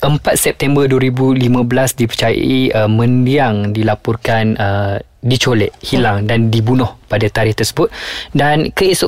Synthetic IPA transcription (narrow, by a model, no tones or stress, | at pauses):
ʔəmpat̪̚sɛp̚t̪ɛmbərduəɾibulimãbəlasdipərt͡ʃaja̰ʔiəmə̃ndiaŋdilapɔrkanə | dit͡ʃolɛʔhilaŋdandibunɔhpadat̪aɾɪht̪ərsə̥bʊt̪̚dankəisʊ